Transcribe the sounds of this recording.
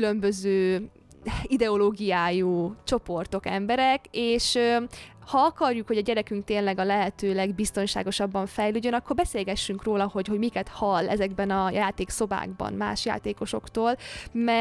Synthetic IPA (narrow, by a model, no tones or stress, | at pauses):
ylø̞mbøzøː | id̪ɛo̞loːɡijaːjut͡ʃo̞po̞rt̪o̞kɛ̰mbɛɾɛkeːʃøhɒɒkɒrjukhoɟɒɟɛɾɛkyŋk̚t̪eːnlɛɡɒlɛɦɛt̪øːlɛɡbist̪o̞nʃa̰ːɡo̞ʃɒbːɒɱfɛjløːɟːønɒkːorbɛseːlɡɛʃːyŋkroːlɒho̞ɟɦo̞ɟmikɛt̪hɒlːɛ̰zɛɡbɛnɒjaːt̪eːkso̞ba̰ːɡbɒ̰nma̰ːʃja̰ːt̪eːko̞ʃo̞kt̪oːlmɛ